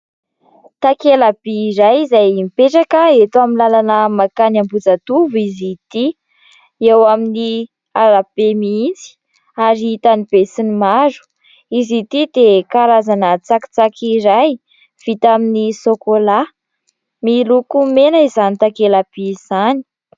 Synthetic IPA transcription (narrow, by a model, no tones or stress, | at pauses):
t̪akelab̥iːɾajizajmipeʈ͡ʂakəet̪uaminlalanəmakanambud͡zat̪uvuizit̪i | ewamini | aɾab̥emiid͡zi̥ | aɾit̪anib̥esinimazu̥ | izit̪id̪ekaɾazanət͡saki̥t͡sakʰiɾaj | v̥it̪aminisokola | milukumenaizanit̪akelab̥iz̥ani̥